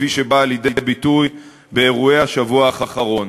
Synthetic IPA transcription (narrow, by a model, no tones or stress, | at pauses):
fiʃebaːljed̪eebituj | be̞ːʁue̞jhaʃavuaːχaχaʁo̞n